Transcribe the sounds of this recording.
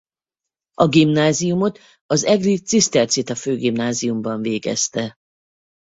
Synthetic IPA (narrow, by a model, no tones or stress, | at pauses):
ɒɡimnaːzijumo̞t̪ | ɒzɛɡrit̪sist̪ɛrt̪sit̪ɒføːɡimnaːzijumbɒɱveːɡɛ̰st̪ɛ